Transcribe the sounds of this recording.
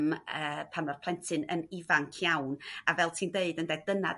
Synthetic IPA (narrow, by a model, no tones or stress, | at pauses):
məːpʰanɔrpʰlˠɛntʰɨnə̰nɪvaŋkʰjawnavɛlˠtʰiːndeɨdəndɛd̥əna̰d